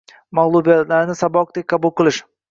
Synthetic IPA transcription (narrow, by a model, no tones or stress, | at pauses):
maʁlˠubijat̪laɾɪnɪsabɒq̚d̪ek̚ʲqʰɑbulˠqʰɨlˠɪʃ